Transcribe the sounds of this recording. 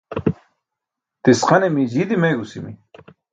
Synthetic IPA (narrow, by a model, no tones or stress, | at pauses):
t̪isqanemizid̪imejɣusimḭ